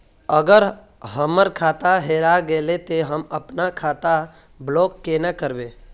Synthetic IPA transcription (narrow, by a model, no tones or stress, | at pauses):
əɡəɾ | ɦəməɾkʰaːt̪aɦeːɾaɡelet̪eɦəməpnakʰaːt̪a | bloːkːenakəɾbeː